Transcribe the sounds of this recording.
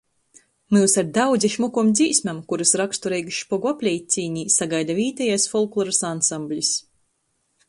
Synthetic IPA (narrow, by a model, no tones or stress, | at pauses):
muwsaɾd̪awd̪ziʃmukumd̪zʲiːsʲmʲamkuɾɨsɾakst̪uɾɛjɡuʃpɔɡuapʲlʲɛjt̪̚ʲt̪sʲiːɲʲiːsaɡajd̪aviːt̪ɛjasfɔlˠklˠɔɾasansamblʲis